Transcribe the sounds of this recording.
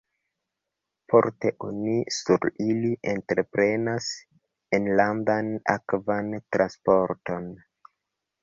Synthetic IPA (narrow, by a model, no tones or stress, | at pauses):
fo̞ɾte̞ʔonisuɾiliʔentɾe̞pɾe̞nas | enlandana̰kvantɾʔanspo̞ɾto̞n